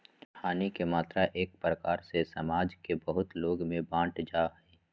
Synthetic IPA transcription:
haːnikemaːt̪ɾaʔeːk̚pɾəkaːɾsesəmaːd͡ʒkebəɦʊt̪loːɡmẽbãːʈd͡ʒaːɦɛː

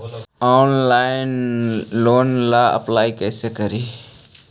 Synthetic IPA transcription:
ɔːnlaːɪnloːnlaːə̰plaːikɛːsekəɾiː

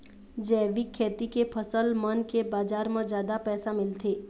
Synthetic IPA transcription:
d͡ʒɛːʋikʰːeːt̪ikepʰəsəlmənkebaːd͡ʒaːɾmẽzjaːd̪apɛːsamɪlt̪ʰeː

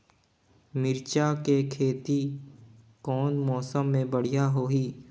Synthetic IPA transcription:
mɪɾt͡ʃakekʰeːt̪i | kɔːnmɔːsəmːẽbɐɽ̤ijaɦoːɦiː

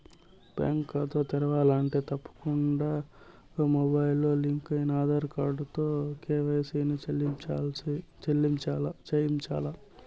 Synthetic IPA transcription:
pa̰ːŋkat̪oːt̪ɛɾɐʋaːlaːɳʈe̞ːt̪ɐpːɐ̥kuɳɖaː | mobɐjlːoːliŋkɐjinaːd̪ɐɾkaːɾɖut̪oːkeːʋɐjsiːniit͡ʃaːlsit͡ʃelːiɲt͡ʃaːlat͡ʃɐjiɲt͡ʃa̰ːla

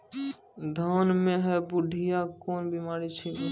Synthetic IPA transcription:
d̪ʱanmẽɦɛbʊɖʱijakoːnbimaːɾit͡ʃʰɛ

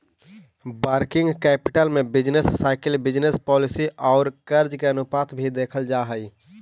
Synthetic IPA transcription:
baːɾkɪ̃ŋɡkɛːpɪ̥ʈəlmẽbɪd͡ʒnesːaɪkɪlbɪd͡ʒnespɔːlɪsiʔɔːɾkəɾd͡ʒkeənʊpaːt̪ʰbʱid̪eːkʰəld͡ʒaɦəɪ

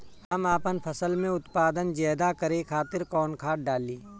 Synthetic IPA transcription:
əmaːpənpʰəsəlmẽʊt̪paːd̪ənd͡ʒɛːd̪akəɾekʰaːt̪ɪɾkɔːnkʰaːʈ̚ɖaːliː

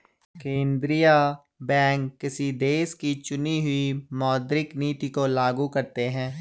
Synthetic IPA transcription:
kẽːnd̪ɾija | bɛ̃ːŋkːɪsid̪eːskit͡ʃʊniɦʊimɔːd̪ɾɪkniːt̪ikolaːɡukɐɾt̪eɦɛ̃ː

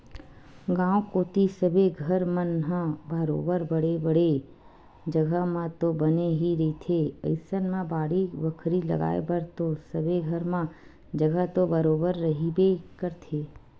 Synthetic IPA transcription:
ɡãːõkoːt̪isəbʱeɡʱəɾmənɦãbəɾo̰ːbəɾbəɽebəɽe | d͡ʒəɡʱəmãt̪obəneɦiɾɐit̪ʰeə̰ɪsənmãbaːɽibəkʰɾilɐ̰ɡa̰ːḛbəɾt̪osəbʱeɡʱəɾmã | d͡ʒəɡət̪obəɾoːbəɾːɐɦibekəɾt̪ʰeː

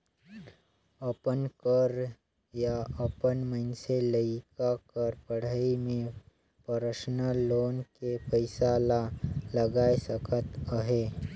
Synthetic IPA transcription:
əpənkəɾ | jaəpənməɪnseləikakəɾpəɽ̤aimẽ | pəɾəʃnəloːnkepəɪsalaləɡajsəkʰət̪əɦe

